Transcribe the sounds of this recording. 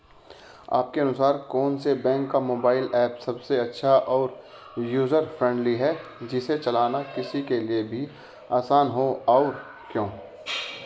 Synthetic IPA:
a̰ːp̚keɐnʊsaːɾkɔːnsebɛ̃ːŋkːamoːbaːɪlɛːpsɐbseɐtːʃʰaʔɔːɾ | juːzəɾfɾɛ̃ɳɖliɦɛd͡ʒɪset͡ʃɐlaːnakɪsikeliebʱi | aːsaːnɦoɔːɾ | kjõː

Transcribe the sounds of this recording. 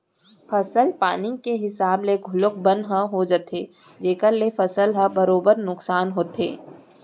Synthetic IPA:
fʰɐsəlpaːnikeɦɪsaːbleɡʱʊlʊk̚bə̃nd̪ɦə̃ɦod͡ʒət̪e | d͡ʒeːkəɾlefɐsəlɦɐbɐɾoːbəɾnʊksaːnɦoːt̪ḛː

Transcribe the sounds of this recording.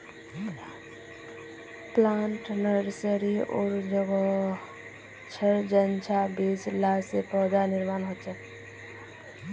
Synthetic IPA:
planʈnəɾsəɾio̰ɾd͡ʒəɡɔ | t͡ʃʰəɾd͡ʒənt͡ʃʰabeslasepɔd̪aniɾmanɦot͡ʃʰɛ

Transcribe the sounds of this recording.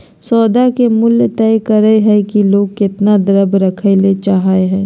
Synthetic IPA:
sɔːd̪akemʊljt̪ɛːkəɾəeɦɛkiloːɡ̚kɪt̪nad̪əɾəbɾɐkʰelet͡ʃaɦaeɦɛ̃ː

